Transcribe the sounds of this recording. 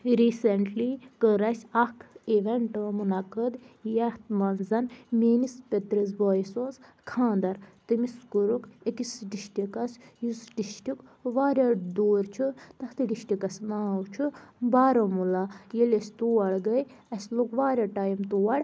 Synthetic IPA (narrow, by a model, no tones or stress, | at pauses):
ɾiːseɳʈlikəɾɐsʲɐkʰiʋeɳʈəmunɐkəd̪jɐht̪mɐnzɐnmeːnispʲet̪ɾɐz̬boːjsoz | kʰãːnd̪ɐɾt̪ɨmiskuɾukekisɖiʃʈʲikɐsjusɖiʃʈʲukʋaːɾʲad̪oːɾt͡ʃʰut̪ɐht̪ɨɖiʃʈʲikɐsnaːwt͡ʃʰubaːɾɐmulajelesʲt̪uːɐɽɡɐj | ɐsʲlokʋaːɾʲaʈaːjmt̪uːwɐɽ